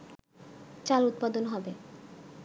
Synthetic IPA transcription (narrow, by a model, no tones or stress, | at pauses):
t͡ɕalut̪̚pad̪onɦɔbe